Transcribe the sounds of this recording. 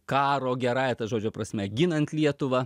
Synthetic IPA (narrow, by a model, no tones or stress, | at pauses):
kɑːɾoːɡʲɛɾɐɪɐt̪ɐʒoːd͡ʒʲoːpɾɐsʲmʲɛɡʲɪnɐnt̪lʲiɛt̪ʊʋɐ